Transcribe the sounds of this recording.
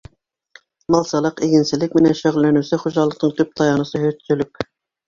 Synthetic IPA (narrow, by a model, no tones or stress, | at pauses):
mɑlˠsɑlˠəqeɡʲɪnsɪzlɪkʲmɪnɛnʃøʁlˠːɛnysɪχoʒɑlˠːə̆qnəŋt̪ʰyp̚t̪ʰɑjɑnɨsɨɦøt̪sylykʲ